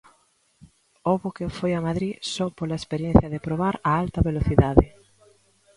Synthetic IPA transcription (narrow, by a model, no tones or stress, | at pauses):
oβʊkefojɐmaðɾisɔpolaespeɾjẽn̟θjɐðepɾoβaɾaalt̪ɐβeloθiðaðɪ